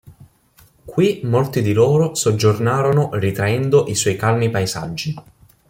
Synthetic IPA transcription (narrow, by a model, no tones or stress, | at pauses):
kwimolt̪id̪iloːɾosod͡ʒːornaːɾonorit̪ɾaɛnd̪oʔiswɔjkalnipaeza̰d͡ʒːi